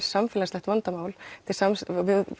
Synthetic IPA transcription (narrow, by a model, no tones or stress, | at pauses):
ɾ̥samfɪːlast̪ɛht̪vant̪amaːwlt̪ʰɪlsamsvɪ